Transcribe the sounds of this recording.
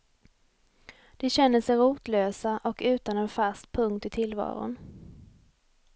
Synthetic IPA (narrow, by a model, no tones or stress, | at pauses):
d̪̥ɛɕɛnːəsɛjɾuːt̪løːsaʔɔkʉ̟ːt̪anɛnfast̪pʰɵŋkt̪ɪt̪ʰɪlvɑ̰ːɾʊ̰n